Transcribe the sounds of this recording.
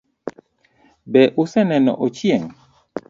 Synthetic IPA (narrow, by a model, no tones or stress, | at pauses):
bɛʔusɛnɛnɔ̰ʔɔt͡ʃiɛŋ